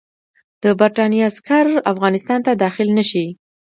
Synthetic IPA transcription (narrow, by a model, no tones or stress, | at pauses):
d̪̥əbaɾʈɑnjɑaskaɾafɣɑnɪst̪ɑnt̪ad̪ɑxɪlnəʃi